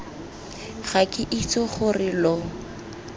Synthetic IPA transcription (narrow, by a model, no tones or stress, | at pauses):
χakʼɪʔit͡sʼɔχʊrɪlɔ